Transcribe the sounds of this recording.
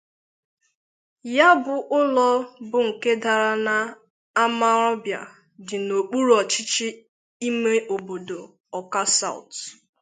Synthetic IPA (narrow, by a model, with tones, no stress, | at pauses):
ja˦bʊ˨ʔʊ˦lɔ˦bʊ˨ŋ̩˨ke˦da˨ɾa˦na˨ | a˦ma˦ɾɔ˦bja̰˨ | dɪ˨no˨k͡pu˦ɾɔ˨t͡ʃɪ˦t͡ʃiɪ˦ | i˦me˦ʔo˨bo˨do˨ | ɔ˨ka˦sa̰˦ʊ̰˨t